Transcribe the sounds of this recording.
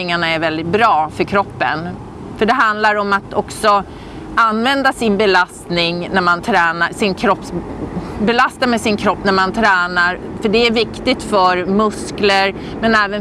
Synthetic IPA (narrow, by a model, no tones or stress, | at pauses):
ɪŋaɳaæɾvɛld̪ɪt̪̚bɾɑːfœɾkʰɾɔpːə̰n | fœɖɛɦand̪laɾɔmat̪ɔksɔ | anːvɛnd̪asɪnbɛlast̪nɪŋnæɾmant̪ʰɾɛːnasɪnkʰɾɔpːs | bɛlast̪amɛsɪnkʰɾɔpːnæɾmant̪ʰɾɛːnaɾ | fœɖɛæɾvɪkt̪ɪɡt̪fœɾmɵskləɾ | mɛnɛːvən